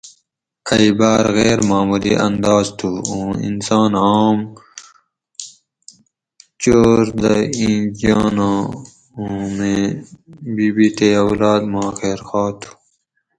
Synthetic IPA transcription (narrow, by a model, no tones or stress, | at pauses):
ɐibaːɾɣeːɾmaːmulḭʔɐ̰nd̪aːzt̪ʰuːõːḭnsaːnaːm | t͡ɕoːɾd̪ɐĩːd͡ʑaːnã | umẽ | biːbit̪eɐwlɑːd̪maːxeːɾxɑːt̪ʰu̥